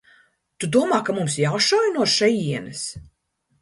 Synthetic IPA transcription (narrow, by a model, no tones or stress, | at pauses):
t̪ud̪uɔmaːkamumsjawʃɔjnuɔʃɛjiɛnɐs